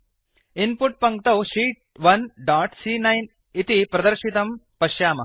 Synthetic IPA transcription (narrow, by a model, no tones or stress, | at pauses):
inpuʈ̚pɐŋkt̪ɐwʃiːʈ̚ʋɐnɖaːʈsiːnɐjn | it̪ipɾɐd̪ɐɾʃit̪ɐmpɐʃjaːmɐ̰